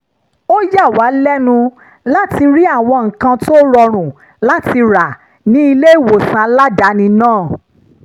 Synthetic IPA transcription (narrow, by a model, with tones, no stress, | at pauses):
o˦ja˦˨wa˨˦lɛ˦nũ˧ | la˦ti˧ɾi˦a˦˨w̃ɔ̃˧ŋ̩˨kã˧to˦ɾɔ˧ɾ̃ũ˨ | la˦ti˧ɾa˨ | nĩ˨˦i˧le˦i˦˨wo˨sã˧la˦da˨˦nĩ˧nãː˦˨